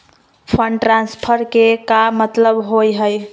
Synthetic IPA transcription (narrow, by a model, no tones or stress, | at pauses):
pʰəɳɖʈɾanspʰəɾkekamːət̪ləbɦojɦəj